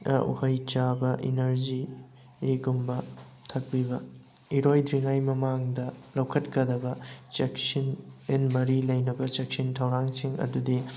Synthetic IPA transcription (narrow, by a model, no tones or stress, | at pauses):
ṵhɐjt͡ʃabɐʔinɐɾzi | eɡumbɐ | tʰɐk̚pibɐ | iɾojdɾiŋajmɐmaŋdɐlɐwkʰɐtkɐdɐbɐt͡ʃeksinenmɐɾilɐjnɐbɐt͡ʃek̚sintʰɐwɾaŋsiŋɐ̰dudi